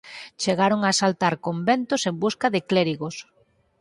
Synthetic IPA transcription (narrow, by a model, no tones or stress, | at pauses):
t͡ʃeɣaɾoŋasalt̪aɾkombent̪ʊsembuskaðɪkleɾiɣos